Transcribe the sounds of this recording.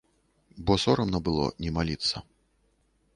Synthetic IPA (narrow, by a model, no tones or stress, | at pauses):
bɔsɔɾɐmnɐbɨlˠɔ̰nʲɛmalʲit̪sːɐ